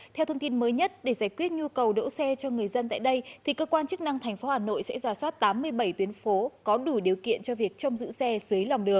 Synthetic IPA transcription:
t̪ʰɛ˧wt̪ʰə˧wŋ͡mt̪i˧nməː˨˦jɲə˦˥t̚ɗe˧˩zaː˧˩jkwi˦˥ət̚ɲu˧kə˨˩wɗə̰˧˥wsɛ˧t͡ɕɔ˧ŋɨ˨˩əjzə˧nt̪a̰ː˧˨jɗə˧jt̪ʰi˨˩kəː˧kwaː˧nt͡ɕɨ˦˥k̚na˧ŋt̪ʰa˨˩jŋ̟fo˨˦haː˨˩no̰˧˨jsɛ̰˧˥zaː˧˩swaː˦˥t̚t̪aː˨˦mːɨ˧əjɓə˧˩jt̪wi˨˦ənfo˨˦kɔ˨˦ɗu˧˩ɗi˨˩əwkḭ˧˨ənt͡ɕɔ˧vi˨˩ək̚t͡ɕə˧wŋ͡mzɨ̰˧˥sɛ˧zɨ˨˦jla˨˩wŋ͡mɗɨ˨˩əŋ̚

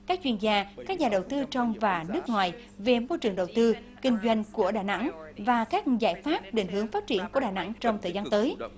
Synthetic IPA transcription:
kaː˦˥k̚t͡ɕwi˧ənzaː˧kaː˦˥k̚ɲaː˨˩ɗə˨˩wt̪ɨ˧t͡ɕɔ˧wŋ͡mvaː˨˩nɨ˦˥ək̚ŋwaː˨˩j | ve˨˩mo˧jt͡ɕɨ˨˩əŋɗə˨˩wt̪ɨ˧ | kï˧ŋ̟zwa˧jŋ̟ku˧˩əɗaː˨˩na̰˧˥ŋvaː˨˩kaː˦˥k̚za̰ː˧˩jfaː˦˥p̚ɗi˨˩ŋ̟ɦɨ˨˦əŋfaː˦˥t̚t͡ɕi˧˩ənku˧˩əɗaː˨˩na̰˧˥ŋt͡ɕɔ˧wŋ͡mt̪ʰəː˨˩jzaː˧nt̪əː˨˦j

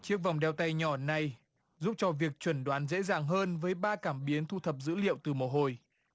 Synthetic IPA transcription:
t͡ɕi˦˥ək̚va˨˩wŋ͡mɗɛ˧wt̪a˧jɲɔ˧˩na˨˩j | zu˦˥p̚t͡ɕɔ˧vi˨˩ək̚t͡ɕwə˧˩nɗwaː˨˦nzḛ˧˥zaː˨˩ŋɦəː˧nvəː˨˦jɓaː˧kaː˧˩mɓi˨˦ənt̪ʰu˧t̪ʰə˨˩p̚zɨ̰˧˥lḭ˧˨əwt̪ɨ˨˩mo˨˩ɦo˨˩j

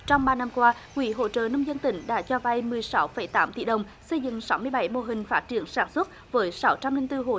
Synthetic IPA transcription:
t͡ɕɔ˧wŋ͡mɓaː˧na˧mkwaː˧ | kwḭ˧˨˦ɦo̰˧˨t͡ɕə̰˧˨nə˧wŋ͡mzə˧nt̪ï˨˩˦ŋ̟ɗa̰ː˧˥t͡ɕɔ˧va˧jmɨ˨˩əjsa˨˦wfə˧˩˦jt̪aː˨˦mt̪ḭ˧˨ɗə˨˩wŋ͡m | sə˧jzɨ̰˧˨ŋsa˨˦wmɨ˧əjɓa˧˩˦jmo˧˨ɦï˨˩ŋ̟faː˦˥t̚t͡ɕi˧˩ənsaː˧˩nswə˦˥t̚vəː˨˦jsa˨˦wt͡ɕa˧mlï˧ŋt̪ɨ˧ɦo̰˧˨

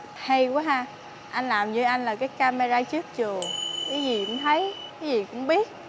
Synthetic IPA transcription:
ha˧jka˨˦ɦaː˧ | ʔa˧jn̟laː˨˩mɲɨ˧ʔa˧jŋ̟laː˨˩kaː˨˦jkaː˧me˧zaː˧t͡ɕɨ˦˥ək̚t͡ɕɨ˨˩əkaː˨˦jzi˨˩kʊ̰˧˥ŋ͡mt̪ʰə˨˦jkaː˨˦zi˨˩kʊ̰˧˥ŋ͡mɓi˦˥ət̚

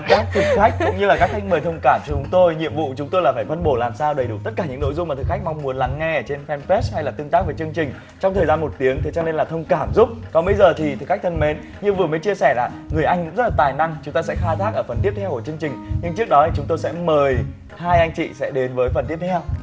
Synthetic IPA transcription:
kaː˦˥k̚t̪ʰɨ˨˩k̚xa˦˥jk̟̚kʊ̰˧˥ŋ͡mŋɲɨ˧laː˨˩kaː˦˥k̚xʰa˦˥k̚məː˨˩jt̪ʰə˧wŋ͡mkaː˧˩mt͡ɕɔ˧t͡ɕt͡ɕʊ˨˦ŋ͡mt̪o˧jɲḭ˧˨əmvṵ˧˨t͡ɕʊ˨˦ŋ͡mt̪o˧jlaː˨˩faː˧˩jfə˧nɓo˧˩laː˨˩msaː˧wɗə˨˩jɗu˧˩t̪ə˦˥t̚kaː˧˩ɲɨ̰˧˥ŋno̰˧˥jzʊ˧ŋ͡mma˨˩ɨ˨˩kxʰa˦˥k̟̚ma˧wŋ͡mmu˨˦ənla˨˦ŋːɛ˧ə˧˩t͡ɕe˧nfɛ˧npɛ˦˥sha˧jlaː˨˩t̪ɨ˧əŋt̪aː˦˥k̚vəː˨˦jt͡ɕɨ˧əŋt͡ɕï˨˩ŋ̟ | t͡ɕɔ˧wŋ͡mt̪ʰəː˨˩jzaː˧nmo˨˩t̚t̪i˨˦əŋt̪ʰe˨˦t͡ɕɔ˧ne˧nlaː˨˩t̪ʰə˧wŋ͡mkaː˧˩mzʊ˦˥p̚kɔ˨˦ɓə˨˦jzəː˨˩t̪ʰi˨˩t̪ɨ˨˩k̚xa˦˥k̚tʰə˧nme˨˦n | ɲɨ˧vɨ˨˩əmə˨˦jt͡ɕi˧əsɛ˧˩laː˨˩ŋɨ˨˩əjʔa˧ŋkʊ̰˧˥ŋ͡mzə˦˥laː˨˩t̪aː˨˩jna˧ŋt͡ɕʊ˨˦ŋ͡mt̪aː˧sɛ̰˧˥xaː˧jt̪ʰaː˦˥k̚ʔəː˧˩fə˨˩nt̪i˦˥əp̪̚ʰɛ˧wku˧˩t͡ɕɨ˧əŋt͡ɕï˨˩ŋ̟ɲɨ˧ŋt͡ɕɨ˦˥ək̚ɗɔ˨˦t̪ʰi˨˩t͡ɕʊ˨˦ŋ͡mt̪o˧jsɛ̰˧˥məː˨˩j | haː˧jʔa˧jŋ̟t͡ɕḭ˧˨sɛ̰˧˥ɗe˨˦nvəː˨˦jfə˨˩nt̪i˦˥əp̚t̪ʰɛ˧w

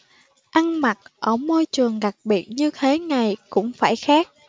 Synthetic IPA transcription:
ʔa˧ŋma˨˩t̚ʔəː˧˩mo˧jt͡ɕɨ˨˩əŋɣa˨˩k̚ɓi˨˩ət̚ɲɨ˧t̪ʰe˨˦ŋa˨˩jkʊ̰˧˥ŋ͡mfaː˧˩jxaː˦˥k̚

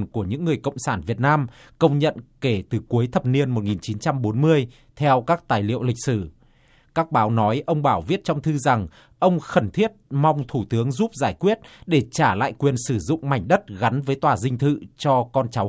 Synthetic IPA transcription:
nku˧˩əɲɨ̰˧˥ŋːɨ˨˩əjkə̰˧˨wŋ͡msaː˧˩nvi˨˩ət̚naː˧m | kə˧wŋ͡mɲə̰˧˨nke˧˩t̪ɨ˨˩ku˨˦əjt̪ʰə˨˩p̚ni˧ənmo˨˩t̚ŋi˨˩nt͡ɕi˨˦nt͡ɕa˧mɓo˨˦nmɨ˧əj | t̪ʰɛ˧wkaː˦˥k̚t̪aː˨˩jlḭ˧˨əwlï˨˩k̟̚sɨ˧˩ | kaː˦˥k̚ɓaː˨˦wnɔ˨˦jʔə˧wŋ͡mɓaː˧˩wvi˦˥ət̚t͡ɕɔ˧wŋ͡mt̪ʰɨ˧za˨˩ŋ | ʔə˧wŋ͡mxə˧˩nt̪ʰi˦˥ət̚ma˧wŋ͡mt̪ʰu˧˩t̪ɨ˨˦əŋzu˦˥p̚zaː˧˩jkwi˦˥ət̚ɗe˧˩t͡ɕaː˧˩la̰ː˧˨jkwi˨˩ənsɨ˧˩zʊ̰˧˨ŋ͡mma˨˧˩jŋ̟ɗə˦˥t̚ɣa˨˦nvəː˨˦jt̪waː˨˩zï˧ŋ̟t̪ʰɨ̰˧˨t͡ɕɔ˧kɔ˧nt͡ɕa˨˦w

